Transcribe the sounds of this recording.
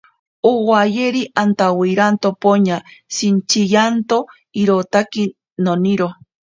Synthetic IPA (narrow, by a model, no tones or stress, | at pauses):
owajeɾiʔant̪awiɾant̪opoɲasint͡ʃijant̪o | iɾot̪aki | noniɾo